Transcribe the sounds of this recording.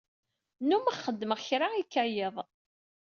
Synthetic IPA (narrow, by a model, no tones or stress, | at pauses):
numaχəd̪ːməʁçɾaikːæjeðˤ